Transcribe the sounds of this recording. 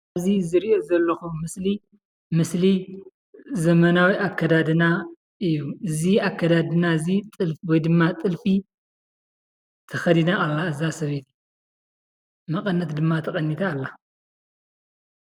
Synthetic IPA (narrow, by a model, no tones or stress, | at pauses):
azizɨɾiʔozɐlːɐxumɨsli | mɨsli | zɐmɐnawiʔakʰːɐd̪ad̪ɨna | ɨjːuʔɨziakʰːɐd̪ad̪ɨnazit̪ʼɨlwɔjd̪ɨmːat̪ʼɨlfi | t̪ʰɐxɐd̪inaʔalːaɨzasɐβet̪ | mɐkʼɐnːɐt̪d̪ɨmːat̪ʰɐkʼɐnːit̪ʰaːlːa